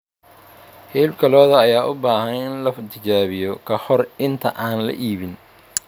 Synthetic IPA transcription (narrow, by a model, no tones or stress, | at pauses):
hɛːlbkʰɐlɔːðɐːjaːʔʊbaːhɐnɪnlɐft̪ʰɪt͡ʃaːβɪjɔkʰɐhɔrɪnt̪ʰɐʔaːnlɐ̰ʔiːβɪn